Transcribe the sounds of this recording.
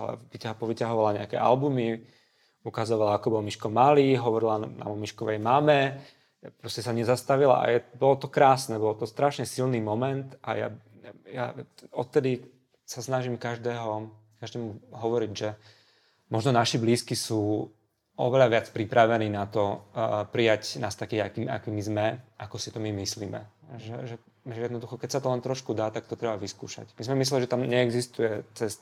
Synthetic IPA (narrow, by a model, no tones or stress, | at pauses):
alɛ̰ʋicapɔʋicaɦɔʋalaɲɛakɛ̰ʔa̰lbumi | ukazɔʋalaːkɔbɔlmiʃkɔmaliːɦɔʋɔɾilana̰mɔmiʃkɔʋɛjmamɛ | pɾɔscɛsaɲɛzast̪aʋila̰ʔa̰jɛbɔlɔt̪ɔkɾaːsnɛbɔlt̪ɔst̪ɾaʃɲɛsilniːmɔmɛnt̪a̰ja̰ | ja̰ɔt̪t̪ɛd̪i | sasnaʒimkaʒd̪ɛːɦɔ | kaʒd̪ɛːmuɦɔʋɔɾiɟʒɛ | mɔʒnɔnaʃibliːskisuː | ʔɔ̰ʋɛʎaʋɪat͡spɾipɾaʋɛniːnat̪ɔpɾijacnaːst̪akiːakiːma̰kiːmizmɛʔakɔsit̪ɔmimisliːmɛ̰ʒɛʒɛ | ʒɛjɛd̪nɔd̪uxɔkɛcsat̪ɔlɛnt̪ɾɔʃkud̪aːt̪ak̚t̪ɔt̪ɾɛbaʋiskṵːʃa̰cmizmɛmis̬lɛliʒɛt̪amɲɛɛɡzist̪ujɛt͡sɛst̪